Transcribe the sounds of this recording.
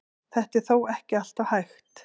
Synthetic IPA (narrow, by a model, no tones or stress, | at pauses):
θɛht̪ɛɾ̥θoːwɛhcɪal̥t̪ahajxt̪